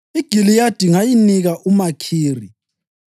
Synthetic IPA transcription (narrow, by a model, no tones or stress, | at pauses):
iɡ̥ʱilijad̥ʱiŋajiniɣaʔumakʰiːri